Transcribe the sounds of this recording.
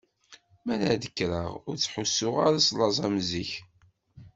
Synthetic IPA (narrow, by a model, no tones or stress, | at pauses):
mænəðəkːɾəʁʊɾt͡sːħusːʊʁaɾɑsˤlɑzˤɑmziç